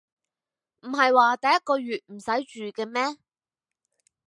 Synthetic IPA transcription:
m̩˨˩ɦɐ˨jwaː˨t̪ɐ˨jɐ˥t̚kɔː˧ɥyː˨t̚m̩˨˩sɐ˨˥jt͡ʃyː˨kɛː˧mɛː˥

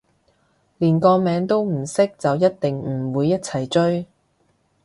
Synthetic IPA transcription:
liː˨˩nkɔː˧mɛː˨˧ŋt̪o˥wm̩˨˩sɪ˥k̚t͡sɐ˨wjɐ˥t̚t̪ɪ˨ŋm̩˨˩wuː˨˧jːɐ˥t̚t͡sʰɐ˨˩jt͡ʃɵ˥ɥ

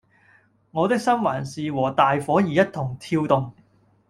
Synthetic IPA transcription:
ŋɔː˨˧t̪ɪ˥k̚sɐ˥nwaː˨˩nsiː˨˧wɔː˨˩t̪aː˨jfɔː˨˥jiː˨jɐ˥t̚t̪ʰʊ˨˩ŋt̪ʰiː˧wt̪ʊ˨˧ŋ

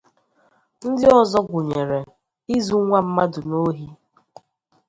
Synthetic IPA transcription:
n̩˦dɪ˦ɔ˦zɔ˦ɡʷʊ˨ɲe˨ɾe˨ | i˦zu˦ŋʷa˦m̩˦ma˦dʊ˨no˦ɦi˦

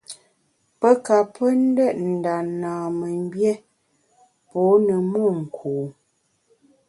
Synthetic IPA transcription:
pə˦ka˨pə˦n̩˦də˦ʔn̩˨da˨naː˨mə˨m˦bjɛ˦ | pɔ˨˦nə˨mɔ˦˨ŋ̩˨kʰuː˨

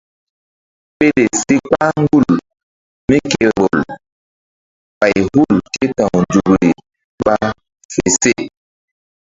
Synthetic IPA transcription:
ɓe˦le˨si˦k͡pa˦ŋ˦ɡu˦˨l | mi˦ke˨ɾo˨l | ɓa˨jhu˦˨lte˦tã˨ŋ˨d͡ʒu˨ɡɾi˨ | ɓɓa˦ | fe˨se˦˨

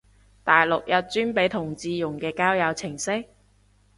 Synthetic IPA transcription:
t̪aː˨jlʊ˨k̚jɐ˨t̚t͡ʃyː˥npe˨˥jt̪ʰʊ˨˩ŋt͡siː˨˧jʊ˨˩ŋkɛː˧kaː˥wjɐ˨˧wt͡sʰɪ˨˩ŋsɪ˥k̚

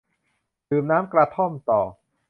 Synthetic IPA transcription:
dɯː˨˩mnaː˦˥mkɾa˧t̪ʰo˥˩mt̪ɔː˨˩

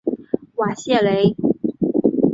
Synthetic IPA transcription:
wa˨˩ɕjɛ˥˩le˧˥ɪ

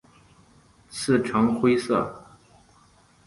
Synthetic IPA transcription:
t͡sʰɹ̩˥˩ʈ͡ʂʰɑ˧˥ŋxwe˥ɪsɤ̰˥˩

